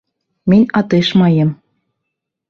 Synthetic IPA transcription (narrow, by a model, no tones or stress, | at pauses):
mɘ̆nʲɑt̪eʃmɑjɤ̆m